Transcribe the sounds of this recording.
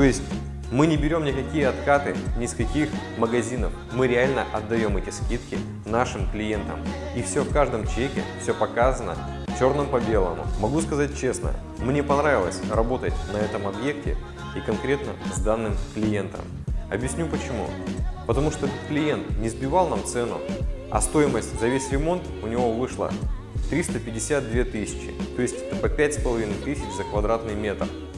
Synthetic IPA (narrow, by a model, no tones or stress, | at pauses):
t̪o̞jɪsʲtʲ | mɨnʲɪbʲɪɾʲo̞mnʲɪkɐkʲijəɐt̪kat̪ɨ̰nʲɪskɐkʲixməɡɐzʲinəf | mɨɾʲɪalʲnəʔɐd̪ːɐjo̞mɛtʲɪskʲit̪kʲɪ | naʂɨmklʲɪjent̪ə̰m | ifsʲofkaʐd̪əmt͡ɕekʲɪ̰fsʲopɐkazənə̰ | t͡ɕo̞rnəmpɐbʲe̞lˠə̰mʊ̰mɐɡuskɐzat̚ʲt͡ɕe̞snə̰ | mnʲe̞pɐnɾavʲɪlˠəsʲrɐbo̞t̪ətʲnɐɛt̪əmɐbje̞k̚tʲɪ̰ | ikɐnkɾʲet̪nəzd̪anːɨmklʲɪje̞nt̪ə̰m | ɐbjɪsʲnʲupət͡ɕɪmṵpət̪ɐmuʂt̪oklʲɪje̞nt̪nʲɪzbʲɪvalˠnamt̪sɛnʊ̰ | ɐ̰st̪o̞ɪməsʲtʲzɐvʲesʲrʲɪmo̞nt̪ʊnʲɪvo̞vɨʂlˠə̰ | t̪ɾʲist̪əpʲɪdʲɪsʲat̪̚d̪vʲe̞t̪ɨsʲɪ̥t͡ɕɪt̪o̞ɪsʲtʲɛt̪əpəpʲætʲspəlˠɐvʲinɨjt̪ɨsʲɪt͡ɕzəkvɐd̪ɾat̪nɨjmʲe̞t̪r